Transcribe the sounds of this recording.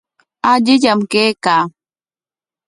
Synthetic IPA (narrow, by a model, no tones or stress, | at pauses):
ad͡ʒɪjamkeːka